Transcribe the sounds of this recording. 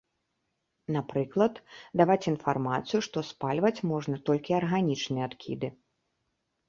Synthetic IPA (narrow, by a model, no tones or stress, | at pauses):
napɾɨklˠɐt̪d̪avat͡sʲinfarmat̪sɨjuʂt̪ɔspalʲvɐt͡sʲmɔʐnɐt̪ɔlʲkʲiarɣanʲit͡ʂnɨjɛat̪kʲḭd̪ɨ